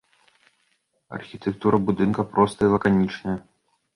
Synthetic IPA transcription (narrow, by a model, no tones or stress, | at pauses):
ɐ̰rxʲit̪ɛk̚t̪uɾɐbud̪ɨnkɐpɾɔst̪ɐjilˠɐkanʲit͡ʂnɐjɐ